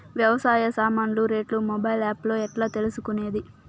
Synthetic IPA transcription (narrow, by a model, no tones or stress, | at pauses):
ʋjɐʋɐsaːjɐsaːmaːnluɾe̞ːʈlumobɐjlaːplo̞ːɛʈlaːt̪e̞lusukune̞ːd̪i